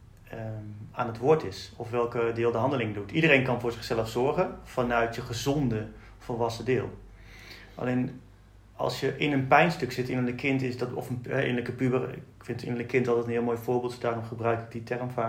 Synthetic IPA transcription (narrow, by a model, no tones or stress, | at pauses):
aːnətʋʊɹtɪsɔfʋɛlˠkədɪːlˠdəɦɑndəlɪŋədutʰidərejnkɑnvʊːɹzɪχsɛləfsɔɹχənfɑnœɥtjəχəzɔndə | fəlʋɑsədɪːlˠ | ʔa̰lejn | ɑ̰lˠsjəʔɪnənpɛjnstɵksɪtɪnələkʰɪntɪsdɔtɔ̰fənɦɛɪ̰nləkəpybərɪkfɪntɪ̰nələkɪntɑlˠtɛtənɪːlˠmoːjfʊːɹbɪːlˠtdaːrɔmχəbrœɥkɪk̚ditʰɛrmfaː